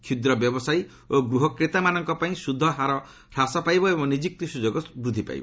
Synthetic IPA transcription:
kʰud̪ɾɔbjɔbɔsaj | oɡɾuɦɔkɾet̪amanɔŋkɔpaĩsud̪ʱːɔɦaɾɔ | ɾasɔpajbɔebɔŋnid͡ʒik̚t̪isud͡ʒɔɡɔsbɾud̪ʱipa̰j̰bɔ̰

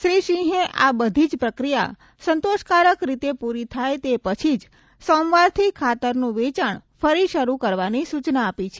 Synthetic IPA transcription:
ʃɾiʃĩɦẽʔa̰bəd̪ʱid͡ʒpɾəkɾija̰ | sənt̪oʃkaɾəkɾit̪epuɾit̪ʰajt̪epət͡ʃʰid͡ʒ | sɔmʋaɾt̪ʰikʰat̪əɾnũʋet͡ʃəɳfəɾiʃəɾukəɾʋanisut͡ʃnaːpit͡ʃʰe̥

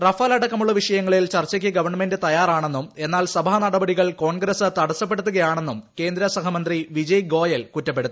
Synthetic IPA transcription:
rɐfaːlɐɽɐkːɐmuɭːɐʋiʂɐjɐŋːɐɭilt͡ɕɐrt͡ɕːɐkʲːɨɡɐʋɐrɳɐmendɨt̪ɐjaːɾaːɳe̞nːume̞nːaːlsɐbʱanɐɽɐbɐɽiɣɐɭko̞ːɳɡɾɐsɨt̪ɐɽɐsːɐp̬ːe̞ɽut̪ːuɣɐjaːɳe̞nːumke̞ːnd̪ɾɐsɐɦɐmɐnd̪riʋid͡ʑɐjɡo̞ːjɐlkutːɐpːe̞ɽut̪ː

